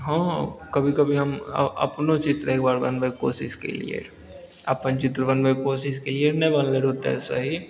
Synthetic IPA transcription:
ɦãːkɐbʱikɐbʱiɦɐm̰ɐ̰pnõt͡ʃɪt̪ɾeːk̚baːɾbɐ̰nʋəko̰ːsɪskḛlḭḛ | ɐpənt͡ʃɪt̪ɾbɐnbəkoːsɪskelienɐbɐnleɾɦot̪aɛ̰ːsa̰ɦi

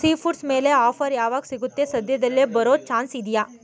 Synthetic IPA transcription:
siːfʰuʈsmeːleɔːfəɾjaːʋaksɪɡut̪ːesɐd̪jed̪ɐlːebɐɾoːt͡ʃʰãːnsiːd̪ijaː

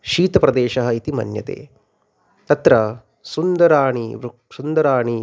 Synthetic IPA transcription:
ʃiːt̪ɐpɾɐd̪eːʃɐɦɐit̪imɐ̰njɐ̰t̪ḛː | t̪ɐt̪ɾɐ | sund̪ɐɾaːɳiʋɾu | sund̪ɐɾaːɳi

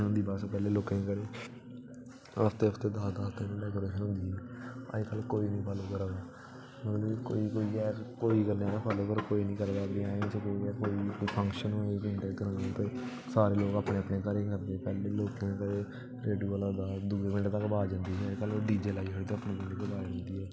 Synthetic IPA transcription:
ɦʊ̃nd̪iːbaːspɛːleːloːkẽːkəɾeː | əst̪eːəst̪eːd̪aːd̪aːst̪eːnẽːɖɛːkoːɾeːʃənɦʊ̃nd̪iːɦɛːə̰kəlkoːiːnĩːpʰaloːkəɾad̪aː | mət̪lːko̰ːiːkoːiːɛːkoːiːkəɾneːkapʰaːloːpəɾkoːiːnĩːkəɾd̪aːbĩaːt͡ʃəkoiɛːkoːiːkoːiːpʰə̃ŋkʃənoːeːbɪ̃ɳʈeːkəɾənd̪aːt̪eː | saːɾeːloːɡaːpneːəpneːkəɾẽːkəɾd̪eːɛːpɛːleːloːkẽːkəɾeː | ɾeːɖijuːəlaːd̪aːd̪uːebɪ̃ɳʈt̪akbaːd͡ʒãːnd̪iːɛkəlːɖiːd͡ʒeːlaːiːɦoːt̪eːəpnẽːkɪ̃ɳiːd̪baːd͡ʒãːnd̪iːɦɛː

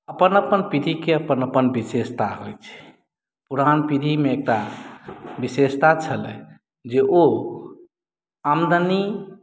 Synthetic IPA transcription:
əpənəpənpid̪ʱikeəpənəpənbisest̪aɦojt͡ʃʰɛ̥ | puɾanpid̪ʱimeek̚ʈa | bisest̪at͡ʃʰəlɛ | d͡ʒeʔo | amd̪əni

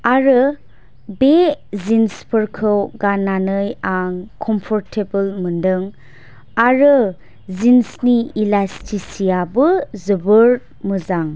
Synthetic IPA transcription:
aɾɯ | bezinspʰəɾkʰɯwɡananɯjaŋkʰɔmpʰɔɾtʰebəlməndɯŋ | aɾɯ | zinsniilastʰisijabɯzɯbɯɾ | mɯzaŋ

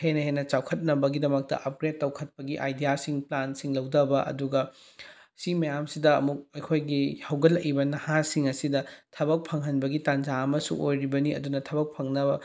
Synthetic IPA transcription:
henɐhenɐt͡ʃawkʰɐt̚nɐbɐɡidɐmɐk̚tɐ̰ʔɐp̚ɡɾet̚ːɐwkʰɐt̚pɐɡiʔa̰jdijasiŋplansiŋlɐwdɐbɐʔɐ̰duɡɐ | simɐjamsidɐːmuk̚ɐjkʰojɡihɐwɡɐlːɐkibɐnɐhasiŋɐsidɐtʰɐbɐk̚pʰɐŋɦɐnbɐɡitand͡ʒaɐmɐsṵʔojɾibɐniɐ̰dunɐtʰɐbɐk̚pʰɐŋnɐbɐ

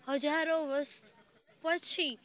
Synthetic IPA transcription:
həd͡ʒaɾoʋəɾs | pət͡ʃʰi

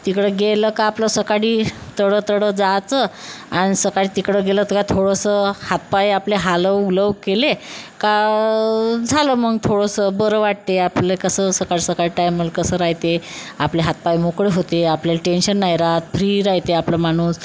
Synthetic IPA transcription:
t̪ikɽəɡeləkaːpləsəkaɽiːt̪əɽət̪əɽəd͡zat͡səaɽ̃isəkaɽiːt̪ikɽəɡelət̪əkat̪ʰoɽəsəhat̪̚pajapleɦaləuləʋkeleka | d͡zʱaləməɡt̪ʰoɽəsəbəɾəʋaʈ̚t̪eaplekəsəːsəkaɽisəkaɽiʈajməlkəsəːɾaɦjt̪eapleɦat̪̚pajmokɽeɦot̪eapljalʈenɕənːajɾat̪fʰɾiːɾaɦit̪eaplamaɽ̃uːs

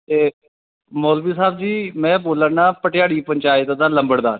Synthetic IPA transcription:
eː | moːlbiːsaːbd͡ʒiːmɛ̃ːboːləɾnãːpəʈjaːɽiːpəɲt͡ʃaːɪt̪ːd̪aːləmbəɽd̪aːɾ

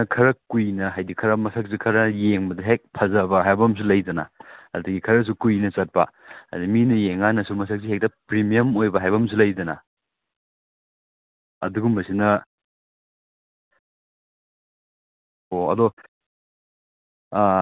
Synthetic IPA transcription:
ɐkʰɐɾɐkujnɐɦajdikʰɐɾɐmɐsʰak̚sikʰɐɾɐjeŋbɐdɐɦek̚pʰɐzɐbɐɦajbɐms̬ulɐjdɐnɐ̰ɐ̰dɐɡikʰɐɾɐs̬ukujnɐsɐt̚pɐ̰ha̰diminɐjeŋanɐsumɐsak̚siɦek̚tɐpɾimijɐmojbɐɦajbɐms̬ulɐjdɐnɐ | ɐ̰duɡumbɐsinɐ | hoɐ̰do

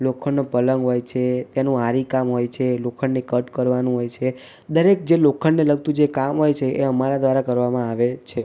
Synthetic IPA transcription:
lokʰəɳnopələŋɡɦojt͡ʃʰet̪enũaɾikamɦojt͡ʃʰelokʰəɳnekəʈkəɾʋanũɦojt͡ʃʰe | d̪əɾek̚d͡ʒelokʰəɳneləɡ̚t̪ũd͡ʒekamɦojt͡ʃʰeeəmaɾad̪ʋaɾakəɾʋamãaʋet͡ʃʰe

